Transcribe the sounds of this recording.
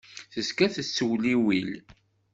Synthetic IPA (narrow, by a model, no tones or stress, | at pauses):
θəskæθəsːəwliwil